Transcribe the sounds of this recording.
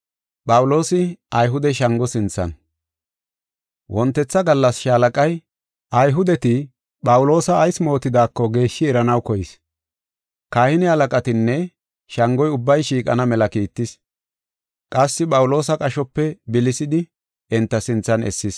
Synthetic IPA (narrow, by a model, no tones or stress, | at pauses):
pʼɐwʊlo̞ːsɪɐjɦʊd̪ɛʃɐŋɡɔsɪnt͡sːɐ̰n | wʔɔnt̪ːɛt͡sːɐɡɐlːɐsʃɐːlɐkʼɐj | ʔɐjɦʊd̪ɛt̪ɪ | ɓɐwʊlo̞ːsɐːjsmo̞ːt̪ːɪd̪aːkːɔɡe̞ːʃːɪɛɾɐnɐwkɔjɪs | kaːhɪnɪhɐlɐkʼɐt̪ɪnːɛ | ʃɐŋɡɔjʊbːɐjʃiːkʼɐ̰nɐmɛlɐkiːt̪ːɪs | kʼɐsːɪpʼɐwʊlo̞ːsɐkʼɐʃɔpːɛbɪlɪsɪd̪ɪ | ɛnt̪ːɐsɪnt͡sːɐnɛ̰sːɪs